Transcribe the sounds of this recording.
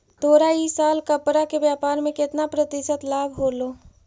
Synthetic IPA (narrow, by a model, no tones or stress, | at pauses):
t̪oːɾaːisaːlkəpɾakebjaːpaːɾmẽkɪt̪napɾət̪ɪsət̪laːbʱɦoːloː